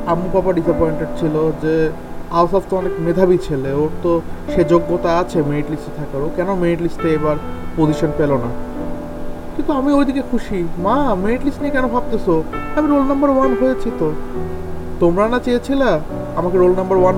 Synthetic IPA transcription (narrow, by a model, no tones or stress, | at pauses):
amupapaɖisapɔjɳʈeɖ̚t͡ɕʰilod͡ʑeawsɔft̪oɔnekmed̪ʱabit͡ɕʰeleoɾt̪oʃed͡ʑoɡːot̪aat͡ɕʰemeniʈlisʈet̪ʰakaɾokɛnomeniʈlisʈeebaɾpod͡ʑiʃonpelona | kint̪uamiojd̪ikekʰuʃimameniʈlisʈniekɛnobʱab̚t̪esʰoamiɾolnambɐɾwanɦoet͡ɕʰit̪o | t̪omɾanat͡ɕeet͡ɕʰila | amakeɾolnɐmbɐɾwan